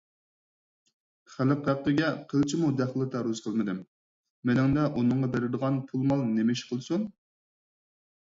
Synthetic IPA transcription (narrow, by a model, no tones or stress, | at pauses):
χæləqæqːəɡʲɛqʰəlˠt͡ʃʰimud̪æχlˠɨt̪ʰɑɾuz̥qʰəlˠmɨd̪ɪmː | ɪnɪŋd̪ɛʔunɨŋʁɑd̪ɛɾɪd̪əʁɑnpʰulˠmɑlˠnemɪʃqʰəlˠɨsun